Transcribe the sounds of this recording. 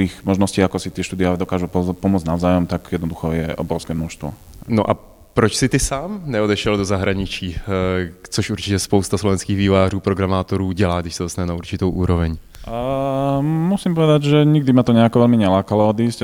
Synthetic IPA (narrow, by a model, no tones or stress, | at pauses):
iːxmɔʒnɔsciːakɔsit̪ɪɛʃt̪uːd̪ɪaalɛd̪ɔkaːʒupɔmʊɔd͡znaʊzaːjɔmt̪akjɛd̪nɔd̪uxɔjɛʔɔ̰bɾɔʊskɛːmnɔʃst̪ʋɔ̰no̰ʔa | pɾɔt͡ʃsɪt̪ɪsaːmnɛɔd̪ɛʃɛldozaɦɾaɲit͡ʃiː | t͡sɔʃʔuɾt͡ʃɪcɛspoʊst̪aslɔʋɛnskiːɣʋiːvaːruːpɾoɡɾamaːt̪oɾuːɟɛlaːɡd̪ɪʃsɛdosnaɲɛnauɾt͡ʃɪt̪owʔuːɾɔvɛɲ | musiːmpɔʋɛd̪aɟʒɛɲiɡ̚d̪imat̪ɔɲɛakɔʋɛlmiɲɛlaːkalɔɔd̪iːsc